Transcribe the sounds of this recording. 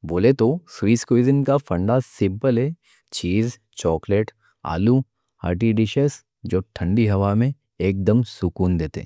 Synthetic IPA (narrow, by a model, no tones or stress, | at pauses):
boːlet̪oswiːskizənkafɐ̃ɳɖasɪ̃mpəlɦɛ | t͡ʃiːz | t͡ʃɔːkleʈ | a̰ːlu | a̰ːɾʈ̬iɖɪʃəs | d͡ʒoːʈʰə̃ɳɖiɦɐʋamẽ | eːk̚d̪əmsʊkuːnd̪eːt̪ḛ